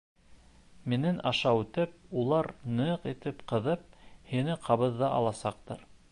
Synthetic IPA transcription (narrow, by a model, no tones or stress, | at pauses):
mɘ̆nɘnʔɑʃɑwʉt̪ɘp̚ulˠɑɾnɤqit̪ɘpqɤ̆ðɤp̚hinɘqʰɑβɤ̆ðːɑʔɑlˠɑsɑq̚t̪ɤɾ